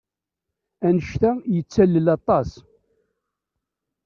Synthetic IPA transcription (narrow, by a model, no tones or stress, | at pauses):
ænəʃt̪æjət͡sːælːəlɑt̪ˤɑs